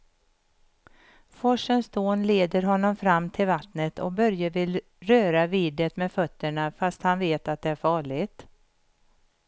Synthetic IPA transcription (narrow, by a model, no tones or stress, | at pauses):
fɔʂənsd̪oːnleːd̪əɾɦɔnːɔmfɾamːt̪ʰɪlvat̪nət̪ʰɔ̰k̚bœɾjəvɪl | ɾøːɾaviːd̪ət̪mɛfœt̪ːəɳafast̪hanveːt̪at̪̚d̪ɛæɾfɑːɭɪɡt̪